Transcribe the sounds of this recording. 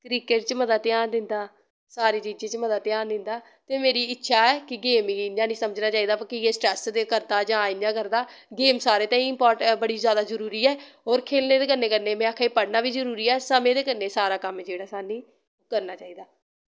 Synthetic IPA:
kɾiːkeʈt͡ʃəməd̪ət̪ːjaːnd̪ɪnd̪aː | saːɾiːt͡ʃiːd͡ʒẽːt͡ʃməd̪at̪ːjãːnd̪ɪnd̪aː | t̪eːmeːɾiːɪtːʃʰaːɛːkɪɡeːmiːɪnãːnĩːsəməd͡ʒnaːt͡ʃaːiːd̪aːpːkɪeːsʈɾɛːsd̪eːkəɾd̪aːd͡ʒãːɪnjãːkəɾd̪aːɡeːmsaːɾeːt̪ãːĩːɪmpɔːɾʈbəɽiːzjaːd̪aːzəɾuːɾiːɛːɦoːɾkʰeːlneːd̪eːkəɾnːeːkəɾneːmɛ̃ːakʰaːipəɽnaːʋiːzəɾuːɾiːɛːsəmẽːd̪eːkəɾneːsaːɾaːkəmd͡ʒeːɽaːsaːnĩː | kəɾnaːt͡ʃaːiːd̪aː

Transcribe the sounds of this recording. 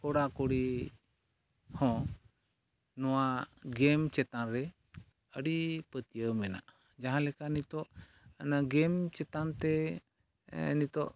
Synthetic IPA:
kɔɽakoɽi | hɔ̃ | nɔwaɡɛmt͡ʃɛt̪anɾɛ | əɽipət̪ijəwmɛna̰ʔ | d͡ʒaɦãlɛkanit̪ɔʔ | naɡɛmt͡ʃɛt̪ant̪ɛ | nit̪ɔʔ

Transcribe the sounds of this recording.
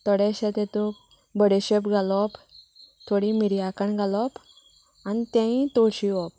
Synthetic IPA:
t̪ɔɽɛɕɛt̪et̪o | bəɽeɕepɡalɔp | t̪ʰoɽimiɾijakəɳɡʱalɔp | anit̪ãĩt̪oɽɕiɔp̚

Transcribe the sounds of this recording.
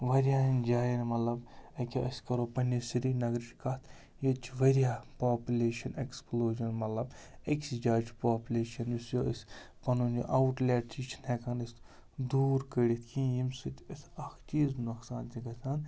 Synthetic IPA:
ʋɐɾʲjaːind͡ʒaːjinmɐt̪lɐbɐkʲoʔɐsʲkɐɾoːpɐnisiɾinɐɡɾt͡ʃʰkɐt̪ʰ | jit͡ʃʰʋɐɾjaːpaːpʲulʲeːʃɐneksploːʒɐnmɐt̪lɐbeksid͡ʒaːd͡ʒpaːpʲulʲeːʃɐnjusjoɐsʲ | pɐnund͡ʒo̰ʔawʈlʲeːʈit͡ʃʰnekaːnist̪ | d̪uːɾkəɾʲit̪ʰkʰĩːjimsɨt̪ʲʰɐsɐkʰt͡ʃiːznuksaːnt̪ʲiɡɐsʰaːn

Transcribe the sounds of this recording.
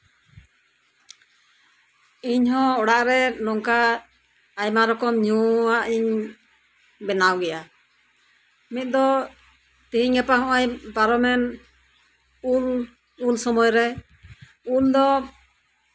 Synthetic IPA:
iɲɦɔ̃ɔɽaʔɾɛnɔŋkaː | jmaɾɔkɔmɲuaʔiɲ | bɛnawɡɛja | mit̪̚d̪ɔ | t̪iiɲɡɛpaɦɔ̃ʔajbaɾɔmɛn | ul | ulsɔmɔjɾɛ | uld̪ɔ

